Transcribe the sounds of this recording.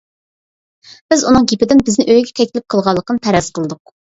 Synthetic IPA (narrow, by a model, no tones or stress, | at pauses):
b̥ɪzunɨŋɡʲipɪd̪ɪnbɪznɪʔøjɡʲɛt̪ʰɛkʲlɪp̚qʰəlˠʁɑlˠːəqənɨpʰɛɾɛz̥qʰəlˠɨd̪ʊq̚